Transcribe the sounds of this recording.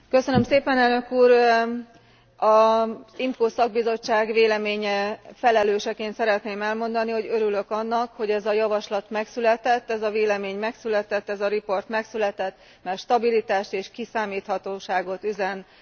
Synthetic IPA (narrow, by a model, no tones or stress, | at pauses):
kø̞sønømseːpɛnɛlnø̞kuːr | ɒzimkoːsɒɡ̚bizo̞t͡ʃːaːɡʋeːlɛmeːɲɛfɛlɛløːʃɛkeːnt̪sɛɾɛt̪neːmɛlmo̞nd̪ɒniho̞ɟøɾylø̞kɒnːɒkho̞ɟɛzɒjɒvɒʃlɒt̪mɛksylɛt̪ɛt̪ːɛzɒveːlɛmeːɲmɛksylɛt̪ɛt̪ːɛzɒɾipo̞rt̪mɛksylɛt̪ɛt̪ː | mɛrʃt̪ɒbilit̪aːʃt̪eːʃkisaːmiːt̪hɒt̪oːʃaːɡo̞t̪yzɛn